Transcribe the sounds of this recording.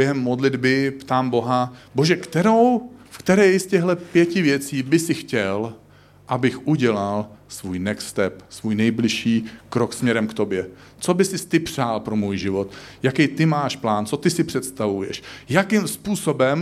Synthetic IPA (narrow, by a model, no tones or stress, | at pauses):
bjɛɦɛmːodlɪd̪bɪpt̪aːmbo̞ɦabo̞ʒɛkt̪ɛɾo̞wfkt̪ɛɾɛːjscɛɣlɛpjɛcɪvjɛt͡siːbɪsɪxcɛl | ʔabɪxʔuɟɛlalsvuːjnɛkst̪ɛpsvujnɛjblɪʃiːkɾoksmɲɛɾɛmkt̪o̞bjɛ | t͡so̞bɪsɪst̪ɪpr̝̥aːlpɾo̞muːjʒɪvo̞t̪jakɛjt̪ɪmaːʃplaːnt͡so̞t̪ɪsɪpr̥ɛt̪st̪avujɛ̰ʃjakɪmspuːsobɛm